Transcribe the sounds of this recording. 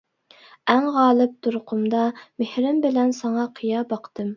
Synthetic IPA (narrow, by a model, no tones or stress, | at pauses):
æŋʁɑːlˠɨp̚t̪ʰuɾqʰʊmd̪ɑmehɾɪmbɪlɛnsɑŋɑqʰijɑːbɑqʰt̪ɨm